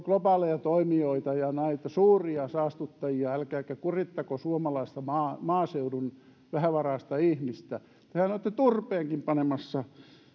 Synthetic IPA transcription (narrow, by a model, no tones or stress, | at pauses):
klopɑːlejɑt̪oimioit̪ɑjɑnæit̪ɑsuːriɑsɑːst̪ut̪ːɑjiɑælkæːkækurit̪ːɑkosuomɑlɑist̪ɑmɑːmɑːseudun | ʋæhæʋɑrɑːˑst̪ɑihmist̪æ | t̪ehænot̪ːet̪urpeːŋkimpɑnemɑsːɑ